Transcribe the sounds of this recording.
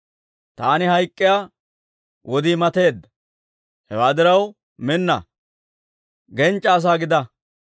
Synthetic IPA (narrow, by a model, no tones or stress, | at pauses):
t̪aːnɪɦɐjkʼːɪjaː | wʔɔd̪iːmɐt̪e̞ːd̪ːɐ | hɛwaːd̪ɪɾɐw | mɪnːɐ̰ | ɡɛnt͡ʃʼːɐːs̬aːɡɪd̪ɐ